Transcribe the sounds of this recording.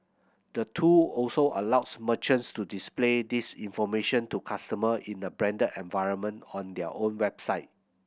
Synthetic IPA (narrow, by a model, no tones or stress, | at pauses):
d̥ətʰuɔlsoʔəlawsmət͡ʃə̃nstudispledisĩnfɔmeʃə̃ntukʰastəməʔĩnəbɹɛ̃ndədɛ̃nvaɪɹə̃nmə̃ntɔ̃ndɛə̰ʔõnwɛbsaɪt̚